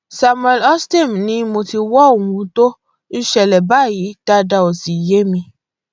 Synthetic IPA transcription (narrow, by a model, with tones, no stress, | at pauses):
sa˧mwɛ˧lɔ˦ste˦˨mnĩ˧˦mo˧ti˧wɔ˦o˦˨wũ˧˦to˦ | n̩˦ʃɛ˧˨lɛ˨ba˦˨ji˨˦d̥a˧da˧o˨si˨je˦mĩ˧